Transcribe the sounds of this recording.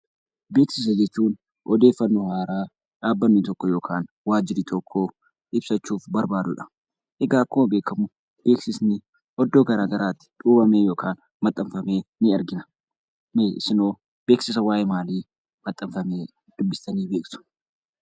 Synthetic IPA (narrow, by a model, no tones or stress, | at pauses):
be̞ːksɪs̬ɐd͡ʒɛt͡ʃːuːn | ʔɔd̪e̞ːfːɐnːuːhaːɾaː | ᶑaːbːɐnːɪt̪ɔkːɔjoːkʰaːn | waːd͡ʒɪɾit̪ʰɔkʰːoː | ʔɪbsɐt͡ʃːuːfbɐɾbaːd̪ʊᶑɐ̥ | ʔɪɡaːkːoːbe̞ːkɐmʊ | b̥e̞ːksɪsnɪ | ʔɔd̪ːoːɡɐɾaːɡɐɾaːt̪ːɪ̥ᶑ̪uːbɐmeːjo̞ːkʰaːn | mɐt̪ʼːɐmfɐme̞ːnɪɐɾɡɪnɐ̥ | mesɪnoː | b̥e̞ːksɪsɐwaːjeːmaːliː | mɐt̪ʼːɐmfɐmeː | d̪̥ʊbːɪst̪ɐniːbe̞ːksʊ̥